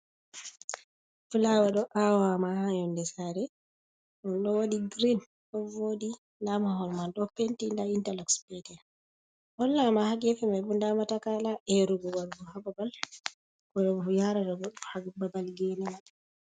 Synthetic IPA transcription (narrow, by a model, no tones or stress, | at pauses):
fulawaɗɔʔawamahajɔndɛsaɾɛ | ʔɔnɗɔwodiɡɾin | ɗɔvodi | ndamahɔlmanɗɔpentindaintalɔkspɛtɛn | ʔɔlːamahaɡɛfimajbundamatakalaʔɛɾuɡɔwaɾɡɔhababal | kɔɗɔɡɔfujaɾadɔɡɔɗuhaɡbabalɡɛnama